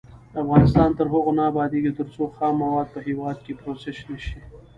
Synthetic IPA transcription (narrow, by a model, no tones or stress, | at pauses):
afɣɑːnɪst̪ɑːnt̪əɾɦʊɣʊnaːbɑːd̪iɡit̪əɾsoxɑːmːɐwɑːd̪̚pəɦewɑːd̪̚kepɾoseʃnaʃi